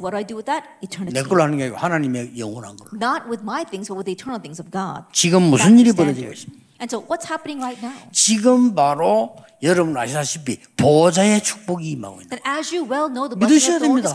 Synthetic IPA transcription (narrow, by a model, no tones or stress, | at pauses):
wʌɾaɪdɨwɪðɨɾ̚ | itʰə˞nnek͈ɯɭhanɯnɡeaɡohanaɲime̞jʌŋwʌnha̰nɡʌɭnət̚wɪðmaɪθɪ̃ŋzbʌt̚wɨðiːtʰɜ˞nl̩ˠθɪ̃ŋzʌvɡɑ̰d̥̚t͡ɕiɡɯmːusʰɯniɾipʌɾʌd͡ʑiɡo̰ɕʰi̥ | ɨ̃nsoʊwʌtshæpənɪ̃ŋɹaɪt̚naʊt͡ɕiɡɯmpaɾo | jʌɾʌbuna̰ɕʰisʰaɕʰipi | pod͡ʑae̞t͡ɕʰu̥k̚p͈oɡima̰ɡo̰ḭndnəzjɨwɛlˠnoʊðəmidɯɕʰʌjademɲida